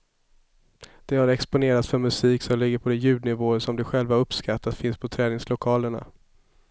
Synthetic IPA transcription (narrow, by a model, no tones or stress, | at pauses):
d̪̥ɛhaɾɛkspʊneːɾat̪sfœɾmɵsiːksɔmlɪɡːəɾpʰɔd̪ɛjʉ̟ːd̪nɪvoːəɾʂɔmlɪɾɧɛlvaɵpːskat̪ʰːat̪fɪnspʰɔt̪ʰɾɛːnɪŋslʊkʰɑːləɳa̰